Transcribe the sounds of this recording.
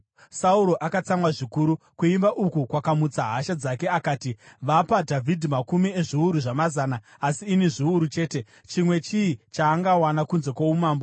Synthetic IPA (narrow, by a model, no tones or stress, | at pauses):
sauɾo̞ʔakat͡samwaʐikuɾu | kuimbaʔukukwakamut͡saɦaʃad͡zake̞akaːtiʋapadʱavʱidʱimakumieʐiuɾuʐamazaːnaːsiːneʐiuɾut͡ʃe̞ːte̞ | t͡ʃimwe̞t͡ʃiːt͡ʃaːŋɡawanakunze̞kwoumaːmbo